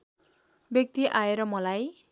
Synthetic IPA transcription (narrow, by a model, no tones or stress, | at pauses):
bjʌk̚t̪iʔaeɾʌmʌlaj